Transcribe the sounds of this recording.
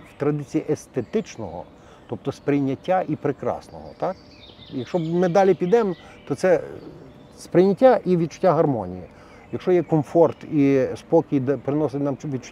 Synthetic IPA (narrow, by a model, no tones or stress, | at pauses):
wt̪ɾɐd̪ɪt͡sʲijiʔest̪et̪ɪt͡ʃnɔɦɔ̰ | t̪ɔp̚t̪ɔspɾɪjnʲɐtʲːaʔipɾɪkɾɑ̰snɔ̰ɦɔ̰t̪ɑk | jɐkʃɔmɪd̪ɑlʲipʲid̪ɛm | t̪ɔt̪sɛ | spɾɪjnʲɐtʲːaʔiʋʲid̪̚t͡ʃʊ̥tʲːaɦɐrmɔnʲḭji | jɐkʃt͡ʃɔjɛkɔmfɔrt̪ispɔkʲijd̪pɾɪnɔsɪtʲnɑmʋʲid̪̚t͡ʃʊ̥